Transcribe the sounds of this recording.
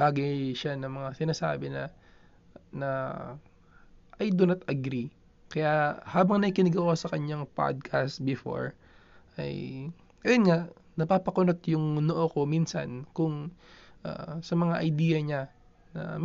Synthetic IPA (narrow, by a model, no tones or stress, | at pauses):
baːɡɪʃanɐŋmɐŋasɪnaːsa̰ːbɪnɐ | nɐ | ʔɐjd̪onɐt̪ɐɡɾi | kɐjaʔhaːbɐŋnɐkɪnɐɡɐuwasɐkɐɲːaŋpa̰d̪̚kʰast̪bɪfo̰ɹ | ʔɐ̰j | ʔɐjonŋaʔ | nɐpaːpɐkʊnot̪jʊŋnoʔoko̞miːnsɐ̰nkʊŋʔa̰sɐmɐŋaʔɐjd̪iːjɐɲa | nɐ̰